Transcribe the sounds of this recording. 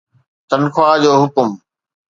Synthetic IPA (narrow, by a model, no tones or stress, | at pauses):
t̪ɐnkʰwaːd͡ʑoːɦʊkʊm